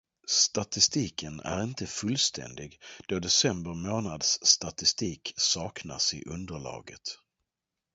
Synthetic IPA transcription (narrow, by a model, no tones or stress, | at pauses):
st̪at̪ɪst̪iːkənæ̰ɾɪnt̪əfɵlst̪ʰɛ̰nd̪ɪɡd̪̥ɔd̪ɛsɛmbəɾmoːnad̪sːt̪at̪ɪst̪iːksɑːkna̰sɪ̰ʔɵnd̪əɭɑ̰ːɡət̪